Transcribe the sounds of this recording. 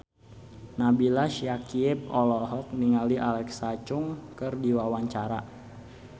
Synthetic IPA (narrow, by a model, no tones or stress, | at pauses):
nabilaʃjakiɪp̚ɔlɔɦɔk̚niŋaliʔalɛksat͡ʃuŋkɨrdiwawaɲt͡ʃaɾa